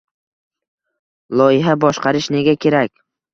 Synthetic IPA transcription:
lˠɒjɪɦabɒʃqʰɑɾɪʃne̞ɡʲakʲʰe̞ɾakʲ

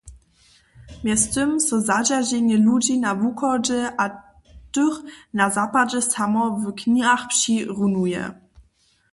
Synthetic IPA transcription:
mʲjɛst̪ɨmsɔzad͡ʑaʑɛɲɛlud͡ʑinavukɔd͡ʑɛʔa | tɨxnazapad͡ʑɛsamɔvkɲiaxpɕiʁunujɛ̰

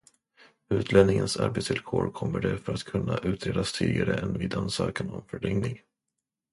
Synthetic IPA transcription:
ʉ̟ːt̪ʰlɛnnɪŋənsa̰ɾbet̪svɪlkʰoːɾkʰɔmːəɖɛfœɾat̪kʰɵnːaʔʉ̟ːt̪ʰɾeːd̪ast̪ʰiːd̪ɪɡaɾəʔɛnvɪːd̪ansœːkanɔmfœɖɛŋnɪŋ

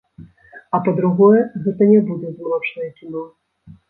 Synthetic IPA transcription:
ɐpɔd̪ɾuɣɔjɛɣɛt̪ɐnʲɛbud̪ʲɛzmlˠɔt͡ʂnɐjɛkʲinɔ

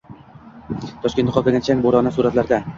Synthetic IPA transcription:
t̪ʰɒʃkʲenχɒkʲɪnʲat͡ʃʰaŋʲboɾɒnasuɾat̪laɾd̪a

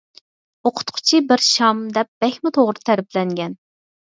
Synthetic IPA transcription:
oqʰʊ̥t̪qʰʊ̥t͡ʃʰibɪɾʃɑmd̪ɛp̚b̥ɛxʲmɪt̪ʰoʁɾɨt̪ʰæɾblɛŋɡʲɛn

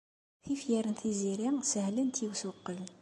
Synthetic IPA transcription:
θifjæɾnθizeɾæŋsæhlɘnt̪ʰiwsuqːəl

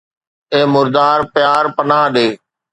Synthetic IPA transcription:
eːmʊɾd̪aːɾpɪjaːɾpənaːɗeː

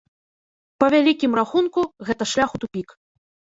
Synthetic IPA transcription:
pɐvʲalʲikʲimraxunkuɣɛt̪ɐʂlʲaxut̪upʲik

